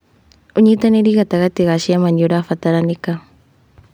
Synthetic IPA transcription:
uɲit̪anidikat̪aɣat̪iɣasiamaɲoɾafat̪aɾanika

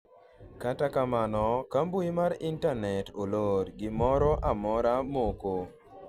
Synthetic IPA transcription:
katakamanɔkambuimaɾintanɛtoloɾɡɪmɔɾɔʔamɔɾamoko

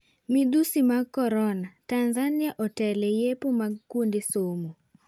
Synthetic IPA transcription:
mid̪usimakɔɾɔnatanzanɪaʔɔtɛlɛjepomaɡkundesomu

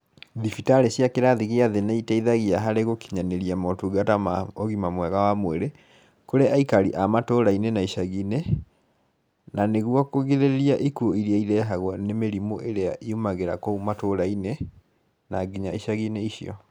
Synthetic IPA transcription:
ðifitaɾeɕjakeɾaðiɣeaðenaitaiðaɣiaɦaɾeɣokiɲaneɾiamɔtuɡatamaoɣimamwɛɣawamweɾe | koɾeaikaɾḭʔamatoɾainenaiɕaɣine | naneɣwɔkoɣiðeeɾiaʔikuoiɾiaiɾɛɦaɣwɔnemeɾimoʔeɾeaʔiumaɣeɾakoumatoɾaine | naɡiɲaiɕaɣineiɕiɔ̰

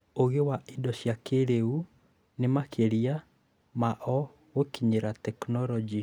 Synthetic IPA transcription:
oɣewaʔidɔɕjakeɾeu | nemakʰeɾia | maʔɔ | ɣokiɲeɾatɛknɔɾɔd͡ʒi

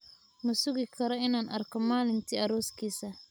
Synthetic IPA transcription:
mʊsʊɣɪkʰɐɾɔɪnaːnʔɐrkʰɔmaːlɪnt̪ʰiːɐɾɔːskʰiːsɐ

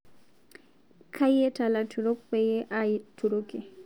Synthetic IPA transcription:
kʰajɛtalatuɾɔk̚pɛjɛʔatuɾokɛ

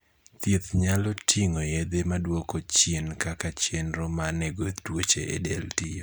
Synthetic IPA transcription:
t̪jet̪ɲalɔtʰiŋojed̪emadwɔkot͡ʃjenkakat͡ʃjenɾɔmaneɡot̪dwot͡ʃḛʔḛdeltio

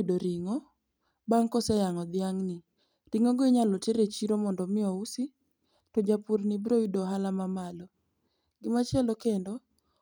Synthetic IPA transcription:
doɾiŋɔ | baŋkɔsɛjaŋɔd̪ɪaŋnɪ | ɾiŋoɡɔiɲalɔteɾet͡ʃiɾomɔndɔmɪɔusi | tɔd͡ʒapuɾnɪbɾoidoɦalamamalɔ | ɡɪmat͡ʃɛlɔkendɔ

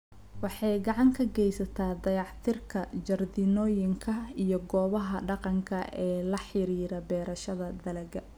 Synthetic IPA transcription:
wɑħɑjɡɑʕɑŋkʰɐɡɛjsɐt̪ʰaːd̪ɐjɑħt̪ʰɪrkʰɐd͡ʒɐrd̪inɔːjɪŋkʰɐijɞɡɔːβɐɦɐɖɑqɑŋkʰɐɛːlɐħɪɾiːɾɐbɛːɾɐʃɐðɐd̪ɐlɐɡɐ

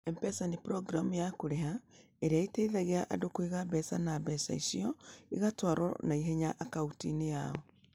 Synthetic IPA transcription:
ɛmpɛsanipɾɔɡɾamujakoɾeɦa | eɾeaiteiðaɣeaʔadokwiɣaβɛsanaːβɛsa̰isiɔiɣatwaɾɔ̰naiɦeɲaʔakautinejaɔ

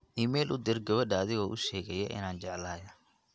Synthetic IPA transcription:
ʔiːmɛːlʔʊd̪ɪɾɡɐβɐɖɐːðɪɣɔːʔʊʃɛːɣɛjɛʔɪ̰naːnt͡ʃɛʕlaːjɐ

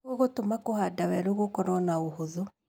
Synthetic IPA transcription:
oɣotomakohadawɛɾoɣokɔnɔnaohoðo

